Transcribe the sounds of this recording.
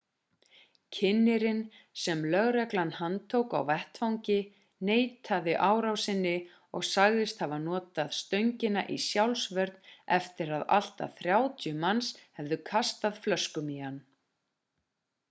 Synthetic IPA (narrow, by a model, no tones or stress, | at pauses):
cʰɪnːɪɾɪn | sɛmlœɣɾɛklanːhant̪ʰowka̰wvɛht̪fawŋcɪ | neːjt̪ʰaðɪʔaːwɾawsɪnːɪ | ɔ̰ɣsaɣðɪst̪havanɔːt̪aðst̪œɥɲcɪna̰ʔisjawlsvœɾt̪nɛft̪ɪɾaða̰l̥t̪a̰θɾjawt̪ʰjʏmanshɛvðʏkʰast̪aðflœskʏmihanː